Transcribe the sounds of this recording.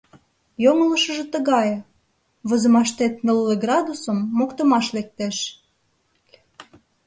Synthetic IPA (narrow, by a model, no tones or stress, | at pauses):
joŋə̆lə̆ʃə̆ʒĕt̪ə̆ɣɑj | βə̆zə̆mɑʃt̪et̪nəlːeɡrɑd̪usəmːokt̪əmɑʃlek̚t̪eʃ